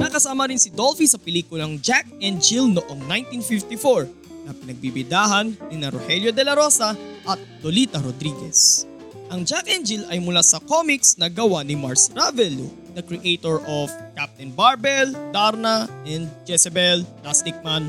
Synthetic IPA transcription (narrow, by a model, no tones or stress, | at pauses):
nɐkɐsaːmɐɾɪnsɪd̪olfisɐpɛliːkʊlɐŋd͡ʒak̚ɛnd͡ʒilnoʔoŋnajnt̪infift̪ifoɹ | nɐpɪnɐɡ̚bibɪd̪aɦɐnːɪnɐɾohɛljod̪ɛlɐɾo̞sɐʔɐt̪̚d̪oliːt̪ɐɾod̪ɾiɡɛ̰s | ʔɐŋd͡ʒakʔɛnd͡ʒilɐjmʊlaːsɐkomiksnɐɡɐwanɪmaɹsɾavɛlu | d̪̥ɐkɾɛʔejt̪oɹʔofkap̚t̪ɛnbaɹbɛld̪aɾnɐʔɛnd̪̚d͡ʒɛsɛbɛllast̪ɪk̚man